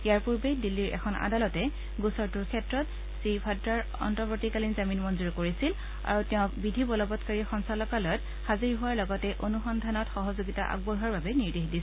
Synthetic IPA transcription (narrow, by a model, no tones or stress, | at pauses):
ijaɹpuɹbejdilːiɹʔɛ̰kʰɔna̰dalɔtɛ | ɡusɔɹtuɹkʰɛtɹɔt | sipʰadɹaɹ | ɔ̰ntɔpotikalinzaminmɔnzuɹkoɹisil | a̰ɹutɛʊ̃kbidʱibɔlɔbɔtkaɹixɔnsalɔkalɔjɔt | xaziɹɦʊwaɹlɔɡɔtɛʔonuxɔndʱanɔtxɔɦɔzoɡita̰ʔa̰ɡ̚bɔɦaɹbabɛniɹdexdisɛ